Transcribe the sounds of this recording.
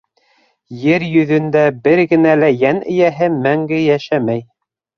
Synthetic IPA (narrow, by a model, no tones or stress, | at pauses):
jɘɾjɵ̆ðɵ̆nd̪æbɘɾɡɘ̆nælæjænɘ̰̆jæɦɘmæŋɡɘjæʃæmæj